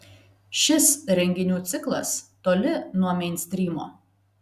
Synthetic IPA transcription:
ʃʲɪsɾʲɛŋʲɡʲɪnʲuːt̪sʲɪklˠɐst̪oːlʲɪnuɔmʲɛɪnʲsʲt̪ʲɾʲiːmo̰ː

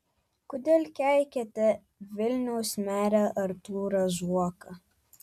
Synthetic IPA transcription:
kʊd̪ʲeːlʲkʲæˑlkʲɛt̪ʲɛ | ʋʲɪlʲnʲɛʊsʲmʲæːɾʲæʔɐɾt̪uːɾɐʒuɔkɐ

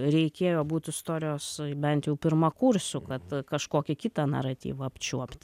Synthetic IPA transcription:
ɾʲɛɪkʲeːjoːbuːt̪ʲɪst̪oːɾʲɪjoːsbʲɛnt̪jɛʊpʲɪɾmɐkuɾʲsʲʊkɐt̪kɐʃkoːkʲɛkʲɪt̪ɑnɐ̰ɾɐt̪ʲḭːʋɐɐpʲt͡ʃʲuɔpʲt̪ʲ

